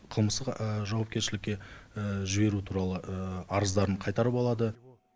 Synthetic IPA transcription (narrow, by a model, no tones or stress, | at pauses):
qʰəlˠməst̪əqəʒɑwɑp̚kʲe̞ɾʃɪlɪkʲːe̞ʒɪbe̞ɾut̪ʰuɾɑlˠəəɑɾəzd̪ɑɾəɴqʰɑjt̪ɑɾəpɑlˠɑd̪ə